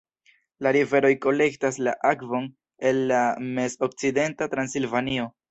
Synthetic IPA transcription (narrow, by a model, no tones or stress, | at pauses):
laɾive̞ɾo̞jko̞le̞ktaslaʔakvo̞n | e̞lːame̞so̞k̚t͡side̞ntatɾansilvanio̞